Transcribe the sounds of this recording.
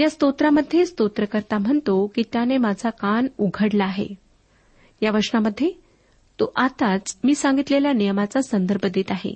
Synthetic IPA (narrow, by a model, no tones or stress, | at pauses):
jast̪ot̪ɾaməd̪ʱːjest̪ot̪ɾəkəɾt̪am̤əɳt̪okiːt̪janemad͡zʱakanuɡʱəɽlaːɦḛ | jaʋəɾʂnaməd̪ʱːje | t̪oʔat̪at͡smiːsaŋɡit̪leljanijəmat͡sasənd̪əɾbʱəd̪et̪aɦḛ